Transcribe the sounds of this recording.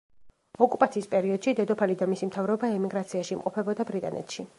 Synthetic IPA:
ɔkʼupʼat̪sʰiːspʼɛɾiɔd̪̥ʃid̪ɛd̪ɔpʰalid̪amisimt̪ʰavɾɔbaɛmiɡɾat̪sʰiaʃimqʼɔpʰɛbɔd̪abɾit̪ʼa̰nɛ̰t̪ʃi

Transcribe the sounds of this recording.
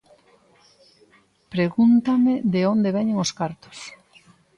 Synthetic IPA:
pɾeɣunt̪ameðeond̪eβɛɲeŋoskaɾt̪o̥s

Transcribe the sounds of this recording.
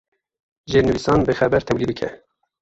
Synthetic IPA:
ʒeːɾnɨviːsɑːnbəxɛbɛɾt̪ʰɛwlibɨkʰɛ̰

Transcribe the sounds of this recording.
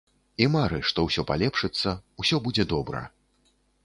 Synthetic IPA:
imaɾɨʂt̪ɔwsʲɔpalʲɛpʂɨt̪sːɐusʲɔbud͡zʲɛd̪ɔbɾɐ̰

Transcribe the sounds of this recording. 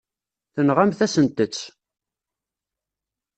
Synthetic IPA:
θənʁæmθæsənt̪ət͡sː

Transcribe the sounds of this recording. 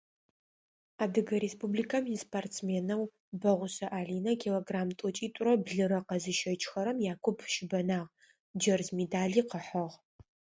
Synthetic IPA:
aːdɨɡɐɾespublikʰamɪspʰʼortsmeːnɐw | bɐʁʷʊsɐʔaːɮiːnɐkʲʰiloɡraːmtʼɔt͡ʃʼiːtʷʼʊrɐbɮɨɾɐqɐzɨʃɐt͡ʃʰʼxɐɾɐmjaːkʷʰʊpʰʃɪbɐnaːʁ | d͡ʒɐrzmedaːɮiːqəħɐʁ

